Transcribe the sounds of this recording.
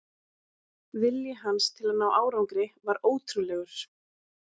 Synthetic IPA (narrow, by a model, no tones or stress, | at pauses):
vɪljɪɦanst̪ʰɪlaðnaːwʔaːwɾawŋkɾɪvaɾoːwt̪ʰɾulɛːɣʏɾ̥